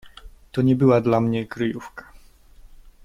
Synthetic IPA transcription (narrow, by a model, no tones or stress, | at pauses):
t̪ɔɲɛbɘwad̪lamɲɛkɾɨjufkḁ